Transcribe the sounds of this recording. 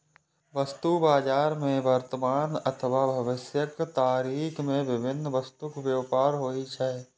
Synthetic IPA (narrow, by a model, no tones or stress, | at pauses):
ʋɐst̪ubaːd͡ʒaːɾmẽʋəɾt̪əmaːnɐt̪ʰəʋaːbʱɐʋɪsjəkt̪aːɾiːkmẽʋɪbʱɪnːəʋɐst̪ʊkʋjəʋpaːɾɦoːit͡ʃʰae